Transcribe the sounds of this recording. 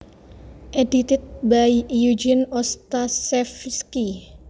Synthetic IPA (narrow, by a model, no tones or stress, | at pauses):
ʔedit̪ɪt̪̚baijud͡ʒinɔst̪asɛfski